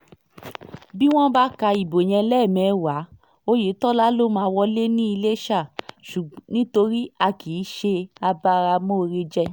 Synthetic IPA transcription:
bi˦w̃ɔ̃˦ba˦ka˧i˨bo˨j̃ɛ̃˧lɛ˦˨mɛ̃˨˦wa˨˦ | o˧je˨˦tɔ˦la˦lo˦mãː˧wɔ˦le˦nĩ˦i˧le˦ʃa˦˨ʃu˨˦nĩ˦to˧ɾi˦a˧kʰi˨˦ʃe˧a˧ba˧ɾa˧mõ˦˧ɾe˧d͡ʒɛ˦

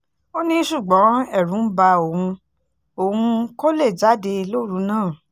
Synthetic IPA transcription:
o˦nĩ˧˦ʃu˦˨ɡ͡bɔ̃˨˦ɛ˦˨ɾũ˨˦ba˧o˨hũ˧ | o˨hũ˧ko˦le˦˨d͡ʒa˨˦de˧lo˦˨˦ɾu˨˧˦nãː˦˨

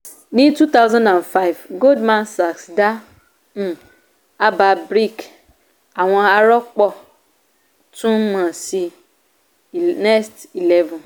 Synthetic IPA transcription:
nĩ˦tu˦t̪a˦wzã˦ndã˨nfa˦ɪ˨vɡo˦dmã˦nsa˨ksda˦ | n̩˨ | a˦ba˧bɾi˦˨k | a˨w̃ɔ̃˧a˧ɾɔ˦k͡pɔ˦ | tũ˦mã˨si˧ | nɛ˦sti˨lɛ˦vɔ̃˨n

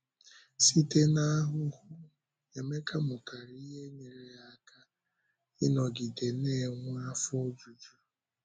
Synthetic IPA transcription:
si˦te˦na˦a˦ɦʊ˦hʊ˦ | e˨me˦ka˦mʊ˨ka˨ɾi˦ɦe˦ɲe˨ɾe˨a˨ka˦ | ɪ˦nɔ˨ɡi˨de˨ne˦˨ŋʷ˦a˦fo˦d͡ʒu˨d͡ʒu˦

